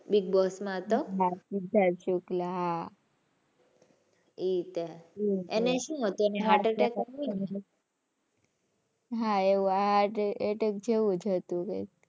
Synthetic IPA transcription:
biɡ̚bɔsmãɦət̪oɦaid̪ʱat͡ʃuklaɦa | it̪eieneʃũːɦət̪ueneɦaʈeʈekainɦ | ɦaeʋũaɦaʈeʈek̚d͡ʒeʋũd͡ʒɦət̪ũkḛk̚

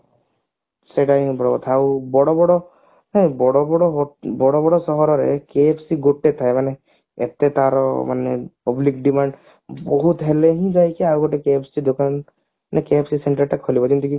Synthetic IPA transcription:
seʈaĩbɔɽɔbɔt̪ʰawbɔɽɔbɔɽɔ | ɦɛ̃bɔɽɔbɔɽɔɦɔbɔɽɔbɔɽɔsɔɦɔɾɔɾekepʰsiɡoʈːet̪ʰaemane | ḛt̪et̪aɾɔ̰ma̰nepɔblikɖimaɳɖ | bɔɦut̪ɦeleɦĩd͡ʒajkiawɡɔʈekeepʰsid̪okan | nekepsiseɳʈaɾʈakʰːɔlibɔkɔnt̪iki

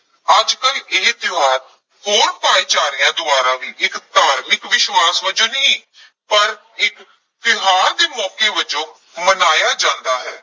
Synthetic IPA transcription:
əd͡ʒkəleːd̪ɪaːɾ | hoːɾpaːeːd͡ʒaːɾɪjãːd̪ʊaːɾãːʋiːʔɪkd̪aːɾmɪkʋɪʃwaːsʋəd͡ʒõːnĩː | pəɾ | ɪk | t̪ɪɦaːɾd̪eːmɔːkeːʋəd͡ʒõː | mənaːjaːd͡ʒãːnd̪aːɦɛː

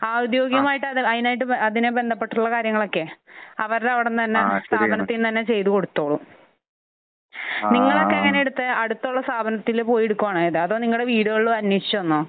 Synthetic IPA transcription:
aːud̪jo̞ːɡjɐmaːjiʈːɨɐðiɐðinaːjiʈːɨɐðinebe̞nd̪ʱɐpːe̞ʈːuɭːɐkaːɾjɐŋːɐɭo̞kːe̞ɐʋɐɾɾɐʋiɽent̪ɐnːest̪aːbʱɐnɐt̪ːijnt̪ɐnːe̞t͡ɕe̞jt̪uko̞ɽut̪ːo̞ːɭu | niŋːɐɭo̞kːeɐŋːɐneeɽut̪ːɨɐɽut̪ːoɭːɐst̪aːbʱɐnɐt̪ːilpo̞ːjeɽukːuʋaːɳiðɨɐðoːniŋːɐɭuɽeʋiːɽuɣɐɭɭɐnjiit͡ɕːuonːɨ

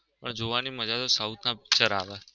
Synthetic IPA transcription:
pəɳd͡ʒoʋaniməd͡ʒat̪osaut̪ʰnãpt͡ʃəɾaʋe

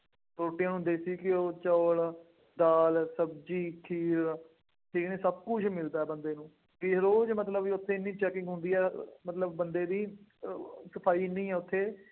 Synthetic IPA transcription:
ɾoːʈijãːnũːd̪eːsiːkɪoːt͡ʃəːl | d̪aːlsəb̚d͡ʒiːkʰiːɾ | ʈʰiːkneːsəb̚kʊt͡ʃʰmɪld̪aːɛːbənd̪eːnũː | kɪɾoːd͡ʒmət̪ləbʊt̪ʰːeːɪnːĩːt͡ʃɛːkɪ̃ŋɡɦʊ̃ːnd̪iːɛːmət̪ləb̚ːənd̪eːd̪iː | səpʰaːiːnĩːɛːʊt̪ʰːeː

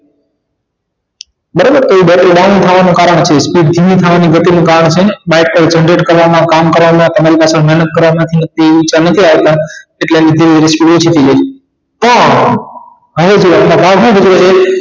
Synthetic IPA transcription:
bəɾobəɾt̪oiɓɛʈɗanĩt̪ʰaʋanũkaːɾəɳ̃t͡ʃʰespiːɖd̪ʱimĩt̪ʰaʋaniɡət̪inũkaːɾəɳ̃t͡ʃʰeɓaɪʈ̚kət͡ʃə̃ɳɖɾeʈkəɾʋamãkaːmkəɾʋamãt̪əmãɾipaːsãmɛɦnət̪̚kəɾʋamãt̪ʰinət̪iit͡ʃanət̪ʰiaʋet̪ãeʈlenid̪ʱiʋiɾespiːʈot͡ʃʰit̪ʰiled͡ʒ | pə | ɦəʋed͡ʒoamãbʱaɡʱnũbʱəd͡ʒɾet͡ʃʰe

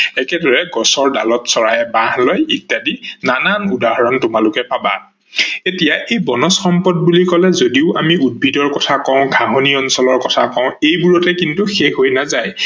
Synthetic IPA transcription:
ɛkɛdɔɹɛɡɔsɔɹda̰lɔtsɔɹajɛbãɦlojitːadinananudaɦɔɹɔntʊmalʊkɛpaba̰ | etijaʔejbɔnɔsxɔmpɔd̚bulikɔlɛzodiʊʔamiud̚bʱidɔɹkɔtʰakɔ̃ʊ̃ɡʱaɦoniɔnsɔlɔɹkɔtʰakɔ̃ʊ̃ejbuɹɔtɛkintuxexojnazaj

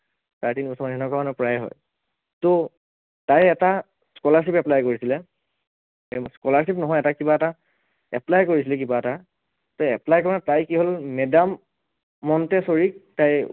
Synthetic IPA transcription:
taɹtinipɔsʰɔmanɛnɔkɔanɔpɹajɦɔ̰j | to | tajɛta | skɔlaɹsipɛplajkoɹisilɛ | skɔlaɹs̬ipnɔɦɔjɛtakibaɛta | ɛplajkoɹisilɛkibaɛta | toɛplajkɔɹɔnatajkiɦolmɛdamː | ɔntɛsoɹik̚taj

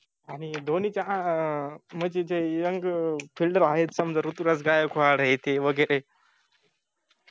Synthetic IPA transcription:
anid̪ʱonit͡ɕaã | məd͡ʑed͡ʑejəŋɡfilɖəɾaɦet̪səmd͡zəɾut̪uɾat͡sɡajəkʰoaɽɦet̪eʋəɡəɾe

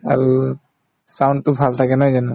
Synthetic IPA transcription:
a̰ɹu | sawndtubʱaltʰaɡɛnajzanɛ

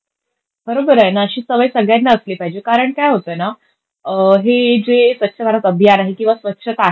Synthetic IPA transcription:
bəɾobəɾajnaəɕiːsəʋəjsəɡɭjanːaəsliːpaɦid͡ʑekaɾəɳkajɦot̪əjna | ɦed͡zesʋətːɕʰəb̤ʱaɾat̪əbʱjanaɦikĩw̃ʋasʋətːɕʰət̪a

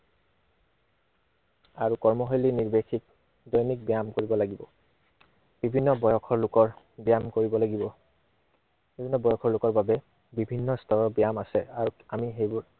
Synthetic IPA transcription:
aɹukɔɹmɔɦojliniɹbekʰik̚ | dɔjnik̚bijamkoɹibɔlaɡibɔ̰ | b̥ibʱinːɔbɔjɔkʰɔɹlʊkɔɹ | bijamkoɹibɔlaɡibɔ | bibʱinːɔbɔjɔkʰɔɹlʊkɔɹbabɛ | bibʱinːɔstʰɔɹɔbijamasɛaɹuamiɦejbuɹ

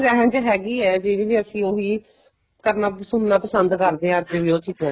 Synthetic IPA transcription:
ɛːɦɛ̃nt͡ʃəɦɛːɡiːɛːd͡ʒeːd͡ʒeːd͡ʒeːəsĩːoːɦiː | kəɾnaːsʊnnaːpəsənd̪kəɾd̪eːãːeʋioːt͡ʃit̪ɛ

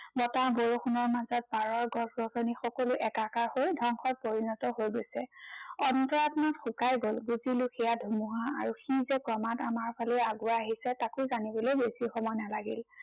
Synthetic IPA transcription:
bɔtaboɹoxʰunɔɹmazɔt̚baɹɔɹɡɔ̃sɡɔsɔnixɔkɔlʊʔɛkakaɹhojdʱɔŋxɔt̚poɹinɔtɔɦojɡojsɛɔntɔɹatnɔtxʊkajɡolbuziluxʰijadʱumuɦaa̰ɹuxizɛkɹɔmatamaɹpʰalɛaɡʊaːɦisɛtakʊjzanibɔlojbesixɔmɔjnalaɡḭl

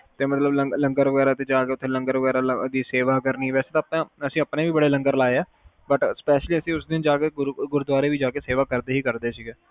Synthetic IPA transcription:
t̪eːmət̪ləbləŋləŋɡəɾʋəɡɛːɾaːt̪eːd͡ʒaːkeːʊt̪ʰːeːləŋɡəɾʋəɡɛːɾaːld̪iːseːʋaːkəɾniːʋɛːseːt̪ãːpnãːəsĩːəpnẽːʋiːbəɽeːləŋɡəɾlaːeɛː | bəʈspɛːʃliːəsĩːʊsd̪ɪnd͡ʒaːkeːɡɾɡʊɾud̪ʋaːɾeːʋiːd͡ʒaːkeːseːʋaːkəɾd̪eːɦiːkəɾd̪eːsiːɡɛː

